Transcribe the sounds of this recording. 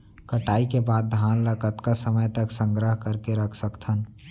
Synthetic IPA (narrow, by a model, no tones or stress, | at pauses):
kəʈaːikebaːd̪̚ːʱaːnləkət̪kasəməjt̪əksə̃ŋɡɾəɦkəɾkeɾəkʰsəkt̪ʰən